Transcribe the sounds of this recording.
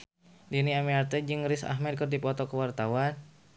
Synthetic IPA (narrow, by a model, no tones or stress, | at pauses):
diniamiart̪əd͡ʒɨŋɾisa̰ɦmɛd̪̚kərdipɔt̪ɔkəwart̪awan